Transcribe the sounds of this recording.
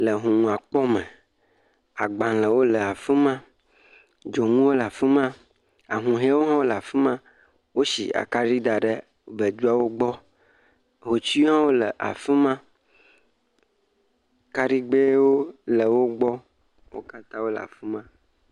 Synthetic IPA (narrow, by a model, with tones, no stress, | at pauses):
lə˨ɦũ˨ŋũ˨a˨k͡pɔ˦mẽ˨ | a˨ɡ͡bã˨lə˨wo˦lə˨a˨fi˦mã˦ | d͡ʒo˨ŋũ˦wo˦lə˨a˨fi˦mã˦ | a˨ɦũ˨ɦe˦wo˦ɦã˦wo˦lə˨a˨fi˦mã˦ | wo˦sḭ˨a̰˨ka˦ɖi˦ɖa˨ɖə˦˨ | bə˨d̪u˦a˦wo˦ɡ͡bɔ˦ | ɦo˨t͡ʃi˦ɦã˦wo˦lə̰˨ʔa̰˨fi˦mã˦ | ka˦ɖi˦ɡ͡be˦wo˦lə˨wo˦ɡ͡bɔ˦ | wo̰˦ka˦t̪ã˦wo˦lə̰˨a̰˨fi˦mã˦